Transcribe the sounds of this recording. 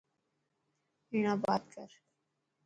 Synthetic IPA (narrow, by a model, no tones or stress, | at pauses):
iɳ̃abad̪kaɾ